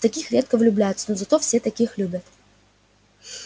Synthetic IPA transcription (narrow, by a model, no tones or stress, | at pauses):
t̪ɐkʲixɾʲe̞t̪̚kəvlʲʊblʲæjʊt̪sənozɐt̪ofsʲe̞t̪ɐkʲixlʲubʲət̪